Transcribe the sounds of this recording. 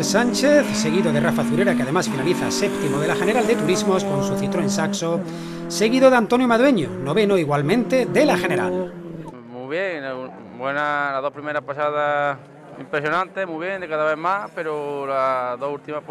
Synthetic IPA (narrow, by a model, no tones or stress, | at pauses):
lsanʲt͡ʃeθse̞ɣ̞iðoðerafaθuɾe̞ɾakeaðe̞masfinaliθasep̚t̪imoð̞e̞laxeneɾald̪e̞t̪uɾizmoskonsuθit̪ɾoensakso | se̞ɣiðoðeant̪o̞njomaðwe̞ɲo̰noβe̞noiɣwalmẽnt̪e̞ðelaxe̞ne̞ɾa̰l | muβjeŋ | bwenalaðopɾimeɾapasaða | impɾesjonãnt̪emuβjeŋd̪ekaðaβemapeɾolaðohult̪ima